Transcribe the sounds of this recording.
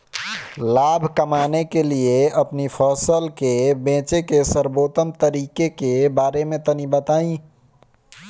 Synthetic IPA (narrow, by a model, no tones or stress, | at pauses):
laːbʱkəmaːnekelieəpnipʰɔːsəlkebẽːt͡ʃekesəɾboːt̪əmt̪əɾiːkekebaːɾemẽt̪ənibət̪aːĩ